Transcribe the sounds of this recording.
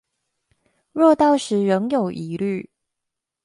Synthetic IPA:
ɻɔ˥˧t̪ɑ˥˩ʊʂɻ̩˧˥ɻə˧˦˥ŋjo˨˩ʊʔi˨˦ly˥˨

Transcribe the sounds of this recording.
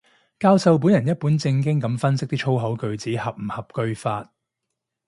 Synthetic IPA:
kaː˧wsɐ˧wp̬uː˨˥njɐ˨˩njɐ˥t̚pu˨˥nt͡sɪ˧ŋk̬ɪ˥ŋkɐ˨˥mfɐ˥nsɪ˥k̚t̪iː˥t͡ʃʰo˥wɦɐ˨˥wkɵ˧ɥt͡siː˨˥hɐ˨p̚m̩˨˩hɐ˨p̚kɵ˧ɥfaː˧t̚

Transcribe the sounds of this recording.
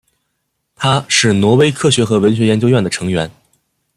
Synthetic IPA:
t̪ʰa˥ʂɻ̩˥˩nwɔ˧˥we˥ɪkʰɤ˥˩ɕɥɛ˧˥xɤ˧˥wə˧˥nɕ̬ɥɛ˧˥jɛ˧˥nt͡ɕjo˥ʊɥɛ˥˩nd̪ə˩ʈ͡ʂʰɤ˧˥ŋɥɛ˧˥n

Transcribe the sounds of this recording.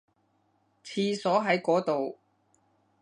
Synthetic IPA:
t͡sʰiː˧sɔː˨˥ɦɐ˨˥jkɔː˨˥t̪o˨w

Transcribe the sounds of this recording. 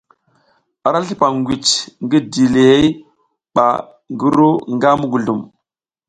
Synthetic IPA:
a˨ɾa˦ɬi˦pa˨ŋɡʷi˨t͡ʃŋɡi˦di˨le˨he˦j | ɓa̰˨ | ŋɡu˦ɾu˦ŋɡa˦mu˦ɡu˨ɮu˨m

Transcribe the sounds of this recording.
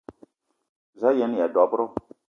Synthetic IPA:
za˦jɛ˨˦n˦ja˨dɔ˨˦pɾo˦

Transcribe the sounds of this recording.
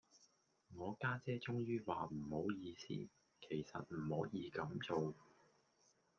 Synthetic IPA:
ŋɔː˨˧kaː˥t͡sɛː˥t͡sʊ˥ŋjyː˥waː˨m̩˨˩ho˨˥wjiː˨˧sḭː˥ | kʰe˨˩jsɐ̰˨t̚m̩˨˩ho˨˥wjiː˨˧kɐ˨˥mt͡so˨w

